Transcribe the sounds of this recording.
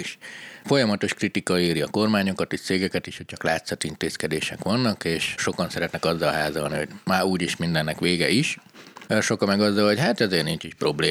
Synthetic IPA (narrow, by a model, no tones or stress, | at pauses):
iʃfo̞jɒmɒt̪o̞ʃkrit̪ikɒeːɾiɒko̞rmaːɲo̞kɒt̪iʃt̪seːɡɛkɛt̪iʃhoc̚t͡ʃɒklaːt̪sɒt̪int̪eːskɛd̪eːʃɛkʋɒnːɒkeːʃʃo̞kɒnsɛɾɛt̪nɛkɒzːɒlɒɦaːzɒlnḭɦoɟmaːuːɟiʃmind̪ɛnːɛkʋeːɡɛiʃ | ʃo̞kɒmɛɡɒzːɒlocɦat̪ɛzeːrnint͡ʃiʃpro̞bleː